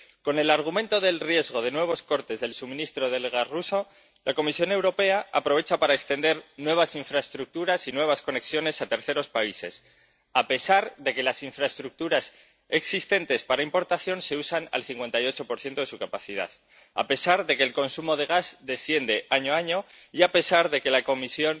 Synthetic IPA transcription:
ko̞ne̞laɾɣ̞umẽ̞nt̪o̞ðe̞lrje̞zɣo̞ðe̞nwe̞β̞o̞sko̞ɾt̪e̞zðe̞lsumĩnist̪ɾo̞ðe̞lɣasruso̞ | lʔako̞misjo̞ne̞wɾo̞pe̞aapɾo̞β̞e̞t͡ʃapaɾaekst̪e̞nd̪e̞ɾnwe̞β̞asiɱfɾaest̪ɾuk̚t̪uɾasinwe̞β̞asko̞ne̞ksjo̞ne̞sat̪e̞ɾθe̞ɾo̞spaise̞̰s | ape̞saɾðe̞ke̞lasiɱfɾaest̪ɾuk̚t̪uɾas | e̞ksist̪e̞nt̪e̞spaɾaimpo̞ɾt̪aθjo̞nse̞usana̰lθiŋkwe̞nt̪ajo̞t͡ʃo̞po̞ɾθje̞nt̪o̞ðe̞sukapaθiða̰θ | a̰pe̞saɾðe̞ke̞ːlko̞nsumo̞ð̞e̞ɣazd̪e̞sθje̞nd̪e̞ʔaɲoaɲo̞ | iape̞saɾðe̞ke̞lako̞misjo̞n

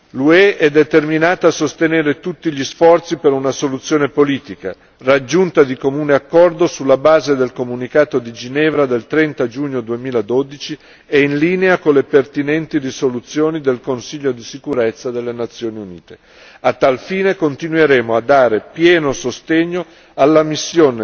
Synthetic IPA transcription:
lueʔɛd̪ːet̪erminaːt̪aːsost̪eneːɾet̪ut̪ːiʎisfɔrt̪sipeɾunasolut̪sːjoːnepoliːt̪ika̰ | rad͡ʒːunt̪ad̪ikomuːneakːɔrd̪osulːabaːzed̪elkomunikaːt̪od̪id͡ʒinɛːvɾad̪elt̪ɾɛnt̪ad͡ʒuːɲːod̪uemiːlad̪od̪it͡ʃi | einliːneakolːepert̪inɛnt̪irisolut̪sːjoːnid̪elkonsiʎːod̪isikuɾet̪sːad̪elːenat̪sːjoːniunḭːt̪e̥ | at̪ːalfiːnekont̪inweɾeːmoad̪ːaːɾepjɛːnosost̪eɲːo | alːamisːjoːne

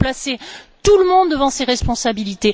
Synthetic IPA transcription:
plaset̪uləmɔ̃d̪d̪ːəvɑ̃seʁɛspɔ̃sabilit̪e

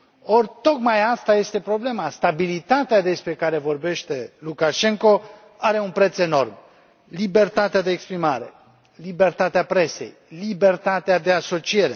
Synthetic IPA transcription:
o̞rʲt̪o̞kmajast̪aje̞st̪e̞pɾo̞ble̞mast̪abilit̪at̪ead̪e̞spɾe̞kaɾe̞vo̞rbe̞ʃt̪e̞lukaʃe̞ŋko̞ | aɾe̞unpɾe̞t̪se̞no̞̰rm | libe̞rt̪at̪ead̪e̞ːkspɾimaɾe̞̰ | libe̞rt̪at̪eapɾe̞se̞̰j | libe̞rt̪at̪ead̪e̞aso̞t͡ʃije̞ɾe̞

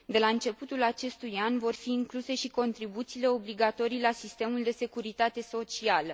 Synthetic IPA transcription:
d̪e̞laɨnt͡ʃe̞put̪ulat͡ʃe̞st̪ujanvo̞rfiːŋkluse̞ʃiko̞nt̪ɾibut̪siːle̞o̞bliɡat̪o̞ɾijlasist̪e̞muld̪e̞se̞kuɾit̪at̪e̞so̞t͡ʃialə

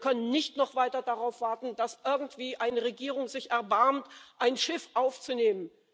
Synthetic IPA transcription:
kʰœnənːɪçtnɔχv̥aɪtɐdaʁaʊfv̥aɐtn̩d̥asʔɪɐɡŋ̩tv̥iːʔaɪnəʁeɡiːʁ̞ʊŋzɪçɛɐbaɐmtʔaɪnʃɪfʔaʊft͡suneːmən

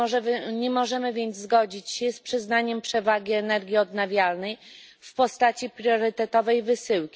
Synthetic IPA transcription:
ɛɲɛmɔʐɛmɘvʲjɛnd̪zzɡɔd͡ʑit͡ɕɕɛspʂɘznaɲɛmpʂɛvaɡʲiɛnɛɾɡʲiɔd̪navʲjalnɛj | fpɔst̪at͡ɕipɾʲjɔɾɘt̪ɛt̪ɔvɛjvɘsɘwkʲi

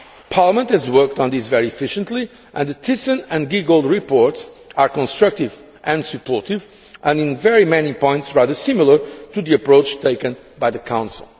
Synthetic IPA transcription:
pʰaɹləmə̃nthɨzwɜ˞k̚tn̩ðisvɛɹiɨfɪʃə̃ntˡli | ʔɨ̃nðət̪ʰisə̃nɨ̃nɡiɡolˠdɹipɔɹts | aɹkɔ̃nstɹʌk̚tɪv | ʔɨ̃ndsɨpʰɔɹtiv | ʔə̃nɪ̃nvɛɹimɛnipɔ̃ɪ̃ntsɹaðə˞sɪ̃mlˠə˞tuðiɨpɹoʊt͡ʃtʰeɪkɨ̃n | bajðɨkʰãʊ̃nsil̩ˠ

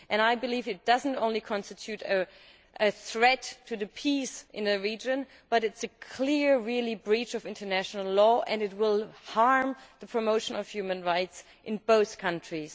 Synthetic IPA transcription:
ʔɨ̃naɪbɨlivɨt̚d̥ʌz̃n̩tõʊ̃nlikʰɑ̃nstɨtʰjʉɾɨ | ʔɨθɹɛtʰɨðɨpʰisʔɨ̃nɨɹid͡ʒɨ̃n | b̥ʌɾɨtsɨkʰl̥ɪɹɹɪlˠibɹit͡ʃʌvɪ̃ntʰə˞næʃnl̩ˠlɔʔɨ̃nɨt̬̚wɪlˠhɑɹmðəpʰɹ̥ɨmoʊʃɨ̃nʌv̥jʉmɨ̃nɹaɪts | ʔɨ̃nboʊθkʰʌ̃ntɹ̥iz̥

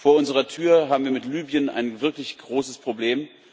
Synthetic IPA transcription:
foːɐʊnzəʁɐtʰyːɐɦaːbm̩viːɐmɪtlyːbjəna̰ɪnvɪɐklɪçɡ̥ʁoːsəspʁ̥obleːm

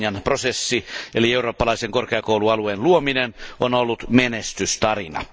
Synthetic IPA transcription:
jɑnprosesːielieuroːpːɑlɑˑiseŋkorkeɑkoˑuluɑlueːnluominenʔonolːut̪menest̪yst̪ɑrinɑ̰

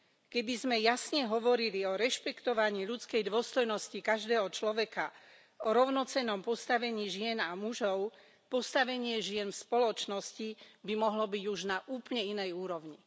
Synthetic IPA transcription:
kɛbizmɛjasɲɛɦɔʋɔɾiliɔɾɛʃpɛkt̪ɔʋaɲiːʎut͡skɛjd̪ʊɔst̪ɔjnɔscikaʒd̪ɛːɦɔt͡ʃlɔʋɛka | ɔɾɔʊnɔt͡sɛnːɔmpɔst̪aʋɛɲiːʒɪɛnamuʒɔʊ | pɔst̪aʋɛɲɪɛʒɪɛnfspɔlɔt͡ʃnɔscibimɔɦlɔbiɟuʒnaʔuːpl̩ɲɛinɛjuːɾɔʊɲi

